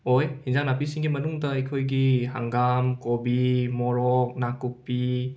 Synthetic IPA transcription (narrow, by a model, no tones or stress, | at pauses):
ojhinzaŋnapisiŋɡimɐnuŋdɐɐjkʰojɡiɦaŋɡamkobimɔɾɔk̚nakuk̚pi